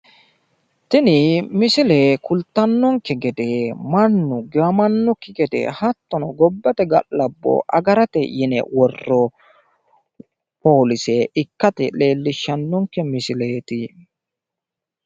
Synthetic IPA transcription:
t̪ɪnɪmɪsɪlekʊlt̪ːɐnːɔŋkːɛɡɛd̪ɛmɐnːʊɡɪwɐmɐnːʊkːɪɡɛd̪ɛ̰hɐt̪ːɔnɔɡɔbːɐt̪ɛɡɐ̰ʔlɐbːɔ̰ʔɐɡɐɾɐt̪ɛ̰jɪnɛ̰wɔrːɔ | poːlɪsɛɪkːɐt̪ɛle̞ːlːɪʃːɐnːɔŋkːɛmɪsɪleːt̪ɪ

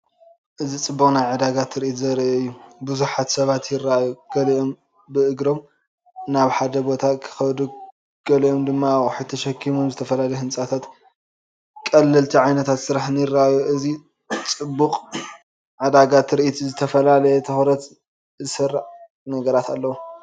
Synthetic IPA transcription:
ʔɨzit͡sʼɨbːukʼnajʕɨd̪aɡat̪ʰɨɾiʔit̪zɐɾiʔɐjːubuzuħat̪sɐβat̪jɪrːaajuɡ̥ɐliʔo̞m | bɨʔɨɡɾo̞m | naβħad̪ɐbo̞t̪ʰakʰɨ̥xɐβd̪u | ɡ̥ɐlijo̞md̪ɨmːaħɨt̪ʰɐʃɐkʰːimumzɨt̪ʰɐfɐlalɐjhɨnsʼat̪ʰat̪ | kʼɐlːɨlt̪ʰiʕajnɐt̪ʰat̪sɨɾaħnɨjɪrːaʔajuʔɨzi | t͡sʼɨbːukʼ | ʕɨd̪aɡat̪ʰɾiʔit̪ʰizɨt̪ʰɐfɐlalɐjɛt̪ʰɐxɾɐt̪ | zɨsɐrːaʕ | nɐɡɐɾat̪alːɐwu

